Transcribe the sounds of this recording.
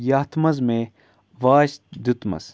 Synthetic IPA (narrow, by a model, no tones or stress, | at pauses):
jɐht̪mɐzme | ʋaːʃd̪ut̪mɐ̰z